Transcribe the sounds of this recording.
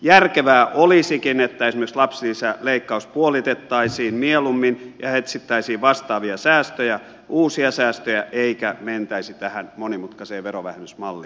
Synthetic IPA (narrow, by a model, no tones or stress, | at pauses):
jærkeʋæːʔolisikinet̪ːæesimekslɑpsilisæleikːɑuspuolit̪et̪ːɑisiːnmielumːinjɑhet̪sit̪ːæisiːʋʋɑst̪ɑːʋiɑsæːst̪øjæ | ʔuːsiɑsæːst̪øjæʔeikæment̪æisit̪æhænmonimut̪kɑseːʋeroʋæ̰hemysmɑlːḭ